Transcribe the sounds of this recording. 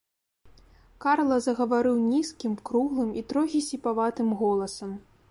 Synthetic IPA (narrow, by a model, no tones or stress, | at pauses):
karlˠɐzɐɣɐvaɾɨwnʲiskʲimkɾuɣlˠɨmit̪ɾɔɣʲisʲipavat̪ɨmɣɔlˠɐsɐm